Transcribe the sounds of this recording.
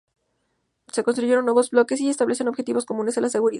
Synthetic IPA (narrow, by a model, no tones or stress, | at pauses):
se̞ko̞nst̪ɾuʝe̞ɾo̞nːwe̞βo̞zblo̞ke̞s̬iest̪aβle̞seno̞βxet̪iβo̞sko̞mũne̞selaseɣuɾiða